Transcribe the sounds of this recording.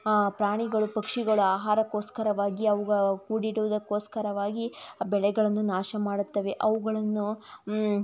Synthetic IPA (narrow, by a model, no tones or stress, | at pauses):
pɾaːɳiɡɐɭupɐkʂiɡɐɭuaːɦaːɾɐkoːskɐɾɐʋaːɡiɐʋuɡɐɭkuːɽiɽuʋud̪ɐkːo̞ːskɐɾɐʋaːɡibɛɭɛɡɐɭɐnːunaːʃɐmaːɽut̪ːɐʋe̞ʔɐʋuɡɐɭɐnːu